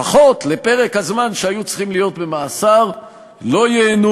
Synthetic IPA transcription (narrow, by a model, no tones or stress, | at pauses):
aχo̞t̪le̞pe̞ʁe̞khazmanʃeajut͡sχimlijo̞t̪be̞maːsaʁ | lo̞jeːnu